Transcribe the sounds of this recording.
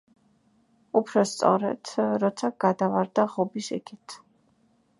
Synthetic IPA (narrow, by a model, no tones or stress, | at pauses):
upʰɾɔst̪sʼɔ̰ɾɛd̪̥ɾɔt̪sʰaɡ̥ad̪avaɾd̪aʁɔbisḭkʰit̪ʰ